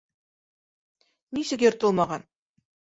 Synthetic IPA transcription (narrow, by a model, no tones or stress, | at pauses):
nisɘkʲeɾt̪əlˠmɑʁɑn